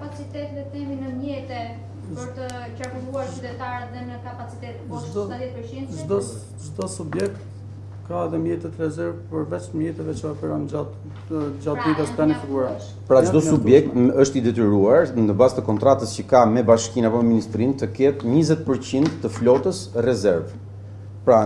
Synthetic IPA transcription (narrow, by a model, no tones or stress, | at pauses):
apat͡sit̪ɛt̪ðɛt̪ɛminəmjɛt̪ɛ | pəɾt̪ə | t͡ʃakuluaɾyd̪ɛt̪aɾɛt̪ðɛnəkapat͡sit̪ɛt̪aðjɛt̪pəɾind̪d͡ʒd̪ | d͡ʒd̪ɔsubjɛk̚t̪ | kaɛðɛmjɛt̪ɛt̪ɾɛzɛɾvpəɾvɛt͡ʃmjɛt̪ɛvɛt͡ʃəɔpɛɾɔnat̪ | d͡ʒat̪̚d̪it̪askanifiɡuɾa | pəɾaəd̪ɔsubjɛk̚t̪əʃt̪id̪ɛt̪əɾuaɾnəbast̪əkɔnt̪ɾat̪əscəkamɛbaʃkinapɔmɛminist̪ɾint̪əkɛt̪ɲizɛt̪̚pəɾt͡ɕind̪ːəflɔt̪əsrɛzɛɾv | pəɾa